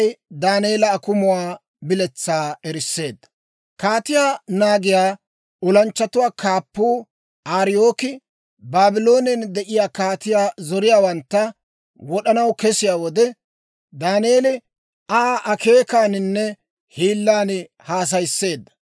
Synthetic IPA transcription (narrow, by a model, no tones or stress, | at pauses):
jd̪aːneːlɐːkʊmʊwaː | bɪlɛt͡sːaːɛɾɪsːe̞ːd̪ːɐ̥ | kaːt̪ɪjaːnaːɡɪjaː | ɔlɐnt͡ʃːɐt̪ʊwaːkʰaːpːuː | ʔaːɾɪjo̞ːkɪ | baːbɪlo̞ːnɛnd̪ɛʔɪjaːkaːt̪ɪjaːzɔɾɪjaːwɐnt̪ːɐ | wɔɗɐnɐwkɛsɪjaːwɔd̪ɛ | d̪aːnjeːlɪ | aːʔɐkʰe̞ːkaːnɪnːɛ | hiːlːaːn | haːs̬ɐjsːe̞ːd̪ːɐ̥